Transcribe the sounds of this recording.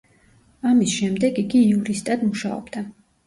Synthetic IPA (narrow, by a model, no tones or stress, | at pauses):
amisʃɛmd̪ɛɡiɡiːuɾist̪ʼad̪muʃaɔ̰bd̪a